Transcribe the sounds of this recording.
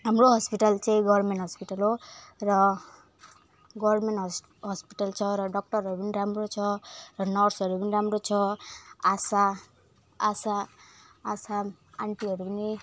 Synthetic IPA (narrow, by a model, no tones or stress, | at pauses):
ɦamɾoɦʌspiʈalt͡saĩɡʌrmeɳʈɦʌspiʈalɦorʌ | ɡʌrmeʈ | ɦʌspiʈalt͡sʰʌɾʌɖʌk̚ʈʌɾɦʌɾupʌniɾamrot͡sʰʌrʌnʌrsʌɾupiniɾamɾot͡sʰʌasaː | saː | sa | aɳʈiɦʌɾupʌni